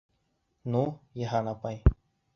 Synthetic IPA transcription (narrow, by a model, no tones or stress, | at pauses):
nũːjəɦaːnaːpaĩː